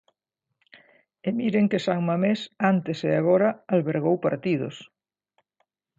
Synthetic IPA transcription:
emiɾeŋkesaŋmamesant̪eseaɣ̞oɾɐalβeɾɣ̞owpaɾt̪iðʊ̰s

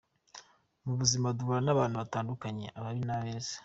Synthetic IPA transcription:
muβuzimaduuɾanaβaːn̥huβataːndukaɲe̞̰ʔaβaɾinaβeːze̥

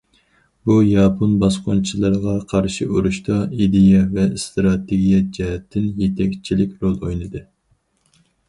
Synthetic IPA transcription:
bujɑpʰonbɑsqont͡ʃʰilˠɨɾʁɑqʰɑɾʃɪuɾuʃt̪ɑid̪ejɛvɛst̪ɾɑt̪ʰeɡʲijɛd͡ʒɛɦɛt̪ʰːɪnjet̪ʰɛkʲt͡ʃʰilɪkʲɾolˠojnɨd̪ɨ

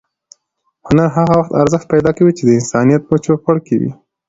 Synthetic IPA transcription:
hʊnaɾɦaɣawaxt̪aɾzəxt̪̚pajd̪ɑkawit͡ʃed̪əɪnsɑnijat̪̚mət͡ʃoxaɽkewḭ

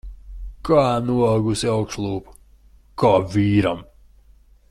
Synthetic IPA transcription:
kaːnuɔɡusiawkʃlˠuːpu̥ | kaːviːɾam

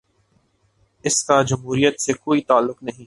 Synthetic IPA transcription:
ɪskad͡ʒɐmɦuːɾijət̪sekoːit̪aːlːʊqnɐɦĩː

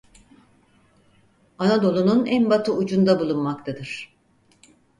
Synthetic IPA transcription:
anad̪o̞lˠununænbat̪ʰɯud͡ʒund̪abulˠunmakt̪ʰad̪ɯɾ̥

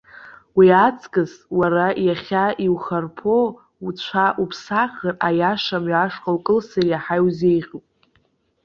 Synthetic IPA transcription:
wiat͡sʰʼkʼɨzwarajaχʲaiwχarpʰo | ut͡ɕʷʰaʔupʰsaχərajaʂamɥaʂqʼawkʼɨlsarjaħajwze̞jʁʲopʼ

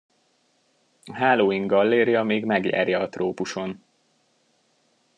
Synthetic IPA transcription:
ɦaːloːiŋɡɡɒlːeːɾjɒmeːɡmɛɡjɛ̰rjɛɒt̪roːpuʃo̞n

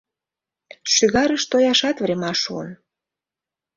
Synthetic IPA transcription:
ʃyɣɑɾəʃt̪ojɑʃɑt̪vɾemɑʃṵən

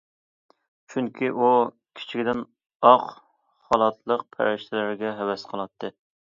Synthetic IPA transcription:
t͡ʃʰyŋkʲʰiʔu | kʲʰi̥t͡ʃʰiɡʲd̪ɪn | ɑq | χɑlˠɑt̪ʰlˠəqpʰæ̰ɾɪʃt̪ʰɪlɪɾɡʲɛɦɛwɛsqʰəlˠɑt̪ʰːɨ

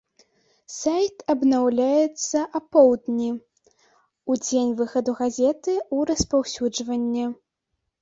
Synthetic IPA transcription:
sajt̪ɐbnawlʲajɛt̪sːɐʔɐpɔwd̪nʲi | ud͡zʲenʲvɨxɐd̪uɣazʲɛt̪ɨuɾɐspawsʲud͡ʐvɐnʲːɛ

